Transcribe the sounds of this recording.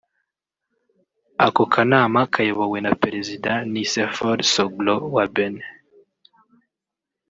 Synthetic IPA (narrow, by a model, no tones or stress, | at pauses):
akokʰanaːmakʰajoβowe̞napeɾezidanisefoɾsoɡlowaben